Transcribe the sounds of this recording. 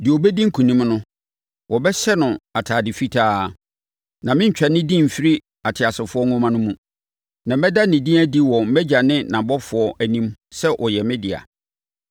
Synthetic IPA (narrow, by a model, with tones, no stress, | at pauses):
dɪ˨ɔ˨bɛ˦dĩ˦ŋ̩˦kʰũ˨nĩ˦mnʊ̃˦ | wʔɔ˨bɛ˦ɕɛ˦nʊ̃˨a˨tʰaː˨dɪ˨fi˦tʰaː˦˨ | nã˨mɪ̃˦ɲ̩˦t͡ɕᶣɛ˨nɪ̃˦dĩ˦˨m̩˨fi˦ɾi˦ | a˨tʰɪ˨a˨sɪ˨fʊ˦ɔ˦ŋʊ̃˦mã˦nʊ̃˦mũ˨ | nã˨mɛ˦da˦nɪ̃˨dĩ˦æ˦di˦wɔ˨m̩˦mɛ˦d͡ʑa˨nɪ̃˦nã˨bɔ˦fʊ˨˦ɔ˦ʔæ˨nĩ˦msɛ˦ʔɔ˨jɛ˨mɛ̃˦dɪ˨a̰˨